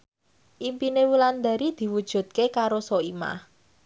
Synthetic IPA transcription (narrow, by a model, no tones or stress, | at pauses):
ʔimpinewuland̪a̤ɾid̪̥i̤wud̥ʒ̥ṳd̪̚kekaɾosoima̰h